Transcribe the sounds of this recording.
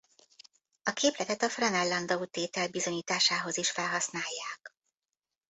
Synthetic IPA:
ɒkeːplɛt̪ɛt̪ɒfrɛnɛlːɒnd̪out̪eːt̪ɛlbizo̞ɲiːt̪aːʃaːɦo̞ziʃfɛlɦɒsnaːjːaːk

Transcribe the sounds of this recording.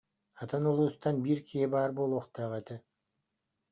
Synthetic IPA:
ɑt̪anolˠust̪ɑnbiɾkʰiebɑːɾbolˠoqt̪ɑʁɑjt̪a

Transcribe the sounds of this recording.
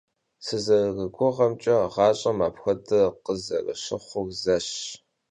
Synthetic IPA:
sɨzɐɣɨɡʷʊʁɐmt͡ʃʼɐʁɑːɕʼɐmaːpxʷɐdʰɨqəzɐrɐ̰ʃɪχʷʊɣzɐɕ

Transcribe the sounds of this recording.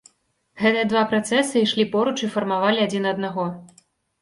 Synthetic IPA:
ɣɛt̪ɨjɐd̪vapɾat̪sɛsɨiʂlʲipɔɾut͡ʂifɐrmavalʲiad͡zʲinɐd̪naɣɔ

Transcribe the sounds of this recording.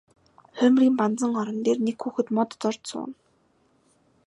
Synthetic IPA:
χœmriːmpant͡sə̆ŋɔɾɞ̆nt̪eːrnekxuːxɘ̆t̪mɔt̪ːɔr̥t̪sʊ̰ːn

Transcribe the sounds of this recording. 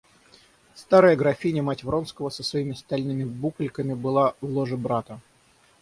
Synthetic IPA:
st̪aɾəjəɡɾɐfʲinʲəmatʲvɾo̞nskəvəsəsvɐimʲɪst̪ɐlʲnɨmʲɪbuklʲkəmʲɪbɨlˠavlˠoʐɨbɾat̪ə

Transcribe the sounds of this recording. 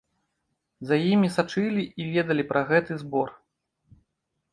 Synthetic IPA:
zajimʲisat͡ʂɨlʲiivʲɛd̪ɐlʲipɾʔɐɣɛt̪ɨzbɔr

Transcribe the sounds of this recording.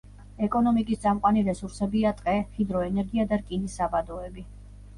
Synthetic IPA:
ɛkʼɔnɔmikʼisd̪sʼamqʼwaniɾɛsuɾsɛbiat̪ʼqʼɛχid̪ɾɔɛnɛɾɡiad̪aɾkʼinisːabad̪ɔɛbi

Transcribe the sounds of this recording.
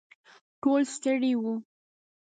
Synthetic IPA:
ʈolst̪əɽiwu

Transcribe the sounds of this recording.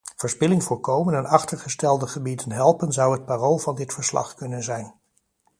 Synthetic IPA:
v̥əɹspɪlɪŋvʊːɹkowmənɛnɑχtəɹχəstɛlˠdəχəbidənɦɛlˠpənzɑwət̚paːrolˠvɑndɪtfəɹslɑ̰χkɵnənzɛjn

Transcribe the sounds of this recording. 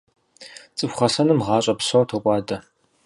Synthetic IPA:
t͡sʼɨfʷχɐsɐnɨmʁɑːɕʼɐpɕowtʰokʷʼɑːdɐ

